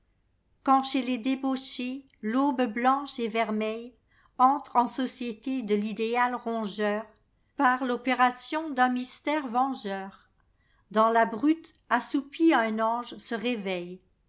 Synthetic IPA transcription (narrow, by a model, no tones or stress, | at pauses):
kɑ̃ʃeled̪eboʃe | lobblɑ̃ʃevɛʁmɛj | ɑ̃t̪χɑ̃sɔsjet̪ed̪əlid̪ealʁɔ̃ʒœːʁ | paʁlɔpeʁasjɔ̃d̪ɛ̃mist̪ɛːʁvɑ̃ʒœːʁ | d̪ɑ̃labʁyt̪ | asupiaɛ̃nɑ̃ʒsəʁevɛj